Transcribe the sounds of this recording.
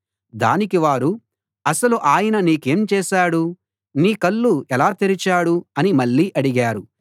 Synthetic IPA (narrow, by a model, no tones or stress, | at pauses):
d̪a̰ːnikiʋaːɾu | ɐsɐluʔaːjɐnɐniːke̞ːmt͡ʃɛːʃaːɽu | niːkɐlːuɛlaːt̪iɾit͡ʃaːɽuɐnimɐɭːiːʔɐɽiɡaːɾu